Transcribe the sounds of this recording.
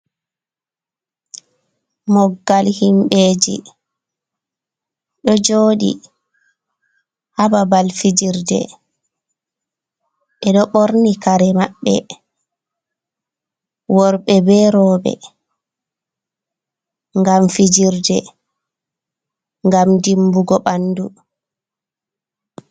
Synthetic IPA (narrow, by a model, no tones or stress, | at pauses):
mɔɡːalhimɓeːd͡ʒḭ | ɗɔd͡ʒoːɗḭ | hababalfid͡ʒiɾdɛ̰ | ʔɛɗɔɓɔɾnikaɾɛmaɓːɛ̰ | wɔɾɓɛbɛɾɔːɓɛ̰ | ŋɡamfid͡ʒiɾdɛ | ŋɡamdimbuɡɔɓanːdu